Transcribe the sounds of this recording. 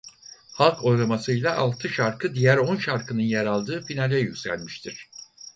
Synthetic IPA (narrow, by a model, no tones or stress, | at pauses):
halˠkʰo̞jɾamasɯjlˠaʔalˠt̪ʰɯʃaɾkɯd̪ijæɾonʃaɾkʰɯnɯnjeɾalˠd̪ɯːfinalʲɛjycʲsæ̰lʲmiʃt̪ʰiɾ̥